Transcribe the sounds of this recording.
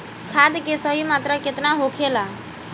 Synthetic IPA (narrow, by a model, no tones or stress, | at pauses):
kʰad̪kesəɦimat̪ɾəket̪naɦokʰela